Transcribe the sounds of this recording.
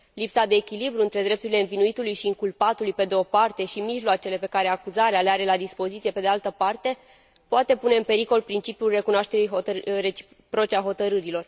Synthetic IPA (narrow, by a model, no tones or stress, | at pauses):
lipsad̪e̞ːkʲilibɾuɨnt̪ɾe̞d̪ɾe̞p̚t̪uɾile̞ɨnvinuit̪ulujʃiːŋkulpat̪ulujpe̞d̪eopart̪e̞ʃimiʒloat͡ʃe̞le̞pe̞kaɾe̞akuzaɾealeaɾe̞lad̪ispo̞zit̪siepe̞d̪ealt̪əpart̪e̞ | poat̪e̞pune̞ɨnpe̞ɾiko̞lpɾint͡ʃipjulre̞kunoaʃt̪e̞ɾijɦoret͡ʃi̥ | pɾo̞t͡ʃeaɦo̞t̪əɾɨɾilo̞r